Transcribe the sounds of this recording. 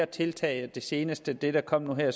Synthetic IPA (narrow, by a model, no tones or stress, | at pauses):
t͡sʰe̝lt͡sʰɛ̰ːɪəd̥e̝se̝ːnəsd̥əd̥e̝ɾ̥ɑ̈kʰɒ̽m̰nuɦɛɐ̰s